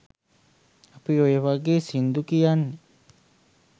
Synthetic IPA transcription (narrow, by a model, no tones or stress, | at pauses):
apiojeʋaɡeːsind̪ukijanːi